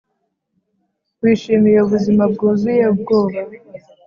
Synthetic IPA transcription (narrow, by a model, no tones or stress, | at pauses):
kwiːʃiːmijeuβuzimab̚ɡuːzujeb̚ɡoːβa